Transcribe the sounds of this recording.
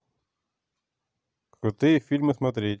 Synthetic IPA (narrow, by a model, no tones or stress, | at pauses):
xʊt̪ɪfʲilʲmɨsmɐt̪ɾʲit̚ʲ